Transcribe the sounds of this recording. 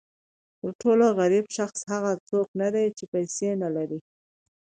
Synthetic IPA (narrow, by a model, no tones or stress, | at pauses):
t̪əɾʈoloɣaɾibʃaxshaɣat͡soknad̪ajt͡ʃepajsenalaɾi